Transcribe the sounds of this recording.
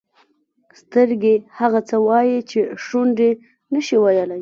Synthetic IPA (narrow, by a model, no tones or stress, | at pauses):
st̪əɾɡehaɣat͡səwɑjit͡ʃeʂuɳɖe | nəʃiwajəlaj